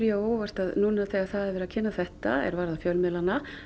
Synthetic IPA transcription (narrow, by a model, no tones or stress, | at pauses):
ɾjovar̥t̪aðnuːnaθɛːɣaθaðɛvɛɾacʰɪnːaθɛht̪aɛ̰ɾvaɾðafjœlmɛlana